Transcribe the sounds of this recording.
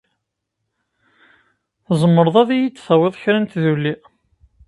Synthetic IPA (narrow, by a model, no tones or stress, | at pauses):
θzˤəmːəɾðˤɑðijit͡sːθæwɪðˤçɾænt̪ðulːi